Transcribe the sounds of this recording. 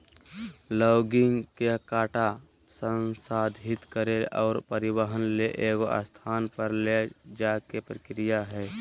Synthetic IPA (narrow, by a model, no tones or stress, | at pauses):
lɔːɡɪŋɡkekaːʈa | sə̃nsaːd̪ʱɪt̪kəɾeɔːɾpəɾɪbəɦənleʔeːɡoa̰st̪ʰaːnpəɾled͡ʒakepɾəkɾijaɦɛː